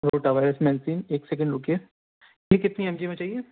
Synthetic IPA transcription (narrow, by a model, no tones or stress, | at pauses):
ɾoːʈaʋaːɪɾəsmɛːlsiːneːksɛk̬ə̃ɳɖɾoːke | likɪt̪niɐmd͡ʒimẽt͡ʃaːɦieː